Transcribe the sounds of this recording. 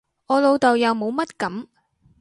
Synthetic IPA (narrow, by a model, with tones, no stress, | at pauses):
ɔː˨˧lo˨˧wt̪o˨wjɐ˨˧wmo˨˧wmɐ˥t̚kɐ˨˥m